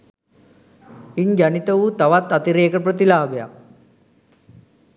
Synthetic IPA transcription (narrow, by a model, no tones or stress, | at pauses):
iɲd͡ʒanit̪əʋut̪aʋat̪ːat̪iɾeːkəprət̪ilaːbeja̰k̚